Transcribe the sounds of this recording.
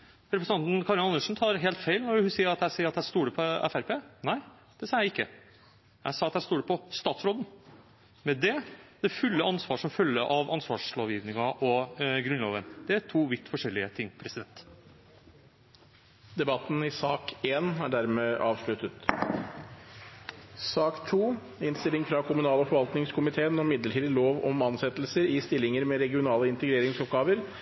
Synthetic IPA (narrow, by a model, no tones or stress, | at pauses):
ɾɛpɾəsɑnt̪nkʰɑɾɪnɑnəʂn̩t̪ʰɑːɾɦeːlt̪fæɪlnɔɾhʉsiːəɾɑt̪æɪsiːəɾɑt̪æɪst̪uːɽəpʰɔæ̰fæɾpʰeːnæɪ | d̪̥ɛsɑːjæɪɪkːə | jæ̰ɪsɑːɑt̪æɪst̪uːɽəpʰɔst̪ɑːt̪sɾoːd̪ən | mɛd̪ɛd̪̥ɛfʉlːəʔɑnsʋɑːʂɔmfœlːəɾʔɑʋʔɑnsʋɑ̰ːʂloːʋjɪʋnɪŋɑʔɔɡɾʉnlo̰ːʋənd̪ɛæʈʰuːʋɪt̪ːfɔʂɛlːɪət̪ʰɪŋːpʰɾɛsɪd̪ɛnt̪ | d̪̥ɛbɑt̪ːn̩ɪsɑːkeːnæɖæɾmeːʔɑːʋʂɭʉt̪ət̪ | sɑːkt̪ʰuː | ɪnst̪ɪlɪŋfɾɑkʰʊmʉnɑːləfɔɾʋɑlt̪nɪŋskʰʊmɪt̪ʰeːənɔmɪd̪ləʈiːd̪ɪloːʋɔmɑnsɛt̪lsəɾɪst̪ɪlːɪŋəɾmɛɾɛɡɪʊnɑːləɪnt̪əɡɾeːɾɪŋsɔp̚ɡɑːʋəɾ